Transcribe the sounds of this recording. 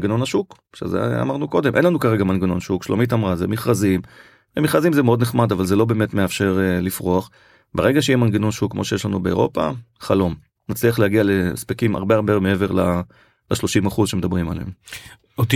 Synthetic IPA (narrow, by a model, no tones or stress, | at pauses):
ɡeno̞naʃuk | ʃḛzḛa̰maʁnuko̞d̪e̞mʔenlanukaʁe̞ɡamanɡeno̞nʃukʃlo̰mit̪̬amʁazemiχʁazim | vemiχʁazimzemeo̞d̪neχmad̪avalzelo̞be̞metmeafʃe̞ʁelifʁoaχ | beʁeɡaʃejimanɡeno̞nʃukːmo̞ʃejeʃlanubeḛʁo̞̰pa̰χalo̞m | nat͡sliaχleaɡialespekima̰ʁbeaʁbemeeveʁla | laʃlo̞ʃimaχuzʃemed̪abʁimaleem | ot̪